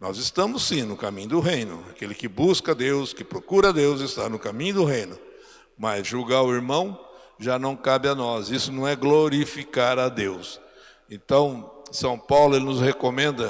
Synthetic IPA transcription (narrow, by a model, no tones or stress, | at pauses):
nɔ̰zɪst̪ɐ̃mʊssĩnʊkamĩɲʊd̪ʊɦejnʊ̰akelɪkɪbuskɐd̪ewskɪpɾokuɾɐad̪ewzɪst̪aɾnʊkamĩɲʊd̪ʊɦẽj̃nʊ | mazʒuɡaʊiɾmɐ̃w̃ | ʒanɐ̃w̃kabɪanɔsisʊnɐ̃w̃ɛɡloɾifikaɾad̪ews | ẽnt̪ɐ̃w̃sɐ̃w̃pawlʊelɪnʊzhekomẽnd̪ɐ